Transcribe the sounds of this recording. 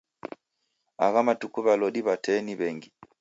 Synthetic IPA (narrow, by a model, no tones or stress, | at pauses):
aɣamatukuβalɔɗiβatʰɛniβɛŋɡi